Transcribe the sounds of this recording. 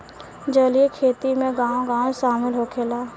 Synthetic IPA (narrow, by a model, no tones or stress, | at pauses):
d͡ʒəliekʰeːt̪imẽɡãːõɡãːʃaːmɪlɦokʰeːlaː